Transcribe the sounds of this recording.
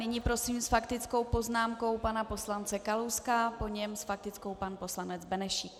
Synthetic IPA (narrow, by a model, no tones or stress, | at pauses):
nɪɲiːpɾo̞siːmsfakt̪ɪt͡sko̞wpo̞znaːmko̞wpanapo̞slant͡sɛkalowskapo̞ɲɛmsfak̚t̪ɪt͡sko̞wpanpo̞slanɛd͡zbɛnɛʃik